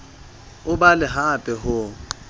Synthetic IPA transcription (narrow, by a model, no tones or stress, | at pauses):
ʊbalɪɦapʼɛɦʊ